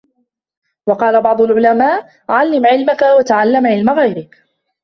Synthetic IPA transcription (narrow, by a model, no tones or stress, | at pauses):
wɑqɑːlabɑʕd̪ˤʊlʕʊlamaːʔ | ʕalːɪmʕɪlmakawat̪aʕalːamʕɪlmaɣajɾɪk